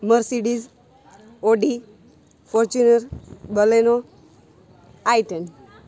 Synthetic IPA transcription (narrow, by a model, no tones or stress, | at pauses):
məɾsiɖiz | oɖi | fɔɾt͡ɕunəɾbəleno | ajʈən